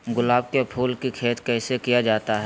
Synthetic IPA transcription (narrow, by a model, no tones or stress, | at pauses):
ɡʊlaːb̚keɐpʰuːlkikʰeːt̪kɛːsekijad͡ʒaːt̪aɦɛ